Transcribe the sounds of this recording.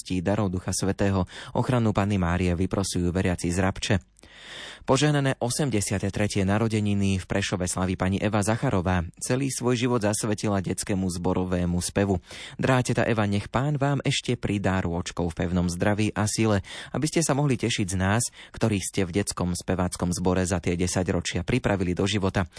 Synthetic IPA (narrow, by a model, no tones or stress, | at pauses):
sciːd̪aɾɔʊd̪uxasʋɛt̪ɛːɦɔɔ̰xɾanupanimaːɾiɛʋipɾɔsijuːʋɛɾɪat͡sizɾapt͡ʃɛ | pɔʒɛɦnanɛːʔɔsɛmɟɛsɪat̪ɛt̪ɾɛcɪɛnaɾɔɟɛɲinifpɾɛʃɔʋɛslaʋipaɲiʔɛʋazaxaɾʔɔʋaːt͡sɛliːsʋɔjʒiʋɔd̪zasʋɛcilaɟɛt͡skɛmuzbɔɾʔɔʋɛːmuspɛʋud̪ɾaːcɛt̪a̰ʔɛʋaɲɛxpaːnʋaːmɛʃcɛpɾid̪aːɾʊɔt͡ʃkɔʊfpɛʊnɔmzd̪ɾaʋiːʔasilɛa̰biscɛsamɔɦlicɛʃiɟznaːskt̪ɔɾiːscɛvɟɛt͡skɔmspɛʋaːt͡skɔmzbɔɾɛzat̪ɪɛɟɛsaɟɾɔt͡ʃɪapɾipɾʔaʋilid̪ɔʒiʋɔt̪a